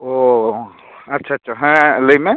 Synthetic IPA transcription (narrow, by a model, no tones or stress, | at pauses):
o | ɐtːʃʰaːtːʃʰaɦɛ̃ləimẽ